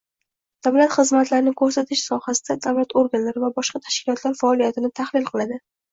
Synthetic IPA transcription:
d̪̥avlat̪χɨzmat̪laɾɪnɪŋkʰɵɾsat̪ʰɪʃsɒhasɪ̥d̪ad̪avlat̪oɾɡanlaɾɪvabɒʃqɑt̪ʰḁʃkʲʰɪlˠɒt̪laɾfaɒlijat̪ʰɪnɪt̪ʰahlɪlˠqʰɨlˠad̪ɪ

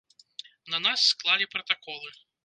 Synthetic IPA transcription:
nɐnasːklˠalʲipɾɐt̪akɔlˠɨ

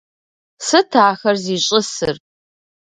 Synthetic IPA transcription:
sɨtʰaːxɐrziːɕʼɪsɨr

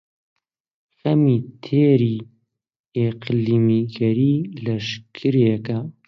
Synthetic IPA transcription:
xɐmiːt̪ʰeːɾiː | eqliːmiɡɐɾiːlɐʃkʰɨɾjɛkɐ

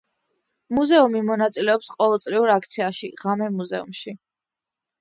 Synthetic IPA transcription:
muzɛumimɔnat̪sʼilɛɔpsqʼɔvɛlˠt̪sʼɾiuɾakʰt̪sʰiaʃiʁamɛmuzɛṵmʃi

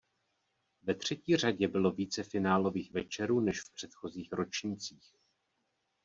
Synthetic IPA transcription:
vɛt̪r̝̥ɛciːr̝aɟɛbɪlo̞viːt͡sɛfɪnaːlo̞viːxvɛt͡ʃɛɾuːnɛʃfpr̥ɛt̪xo̞ziːxɾo̞t͡ʃɲɪt͡siːx

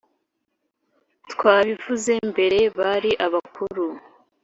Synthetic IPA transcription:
tkwaːβivuze̞mbe̞ɾe̞βaɾiʔaβakuɾu

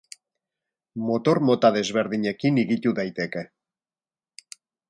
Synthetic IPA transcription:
mo̞t̪o̞ɾmo̞t̪aðe̞zβe̞ɾðiɲe̞kiniɣit̪uðajt̪e̞ke̞

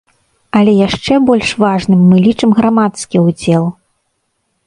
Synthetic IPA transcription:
ɐlʲɛjaʂt͡ʂɛbɔlʲʂvaʐnɨmːɨlʲit͡ʂɨmɣɾamat̪skʲiud͡zʲɛlˠ

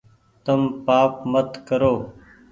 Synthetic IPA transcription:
t̪əmpaːpmət̪kəɾoː

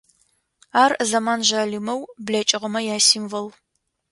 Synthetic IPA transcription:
aːrzɐmaːnʒaːlimɐwbɮɐt͡ʃʼɪʁəmɐjaːsiːmvɐl

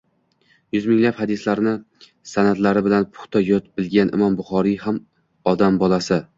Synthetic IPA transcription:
jʊzmɪŋlaphad̪ɪslaɾnɪ | sanad̪laɾɪbɪlanpʰʊ̥χt̪ʰajɒt̪bɪlɡʲanʔɪ̰mɒmbʊχɒɾiham | ɒd̪ambɒlˠasɪ

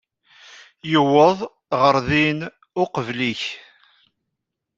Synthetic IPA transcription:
jəwəðˤ | ʁəɾðin | ʊqəvliç

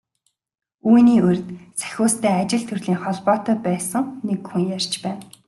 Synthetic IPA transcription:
uːjniːɵr̆ʲt̪t͡sæ̥xʲʊːst̪ʰæːat͡ɕɪ̆ɮt̪ʰɵrɮiːŋχɔɮpɔːt̪œːpæːsə̆ŋnekxuŋjar̥ʲt͡ɕpæːn

